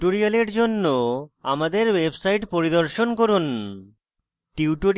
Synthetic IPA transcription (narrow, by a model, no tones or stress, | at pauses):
oɾialeɾd͡ʑonːoamad̪eɾwebsajʈpoɾid̪oɾʃonkoɾun | ʈiuʈo